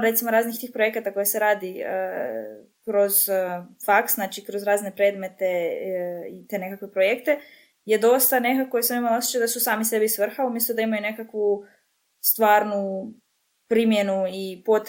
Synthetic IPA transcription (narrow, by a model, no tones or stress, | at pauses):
ɾe̞t̪simoɾaːznixt̪iːxpɾoje̞kat̪ako̞jese̞ɾaːd̪iə | kɾo̞zfaksznat͡ʃikɾo̞zɾaːzne̞pɾe̞ːd̪me̞t̪e̞ | it̪e̞ne̞kakʋepɾojekt̪e̞ | je̞d̪o̞st̪anekakoesemimalosjt͡ʃad̪asusaːmise̞bisʋr̩xaumje̞st̪od̪aimajune̞kakʋu | st̪ʋaːɾnu | pɾimje̞nuipot̪